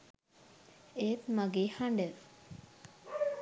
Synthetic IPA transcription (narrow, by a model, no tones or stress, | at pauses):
eːt̪maɡeːhaɳɖə